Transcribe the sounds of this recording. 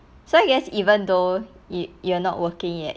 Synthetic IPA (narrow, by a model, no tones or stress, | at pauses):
soaɪɡɛsivə̃ndo | jjuanɔ̰ʔwəkɪ̃ŋjɛ̰t̚